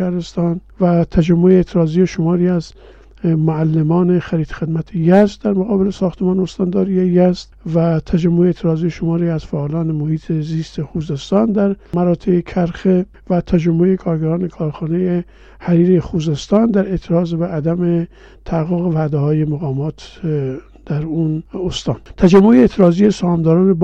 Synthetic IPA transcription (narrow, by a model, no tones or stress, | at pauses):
æhɾest̪ɒːnvæt̪ʰæd͡ʒæmːoeet̪ʰeɾɒːzijeʃomɒːɾiːæz | moælːemɒːnexæɾiːt̪xe̞d̪mæt̪ʰejæzd̪d̪æɾmoɣɒːbelesɒːxt̪ʰemɒːneost̪ɒːnd̪ɒːɾiːejæzd̪væt̪ʰæd͡ʒæmːoeːt̪ʰeɾɒːziːjeʃomɒːɾiːæz̥fæʔːlɒːnemohiːt̪ʰeziːst̪exuːzest̪ɒːnd̪æɾmæɾɒːt̪ʰeekʰæɾxe | væt̪ʰæd͡ʒæmːoekʰɒːɾɡæɾɒːnekʰɒːɾxɒːneje | hæɾiːɾejexuːzest̪ɒːnd̪æɾe̞t̪ʰeɾɒːzbeʔæd̪æme | t̪ʰææɣːoɣevæd̪ehɒːjemaɣɒːmɒːt̪ | d̪̥æɾunost̪ɒːnt̪ʰæd͡ʒæmːoeeːt̪ʰeɾɒːzijesohɒːmd̪ɒːɾɒːneb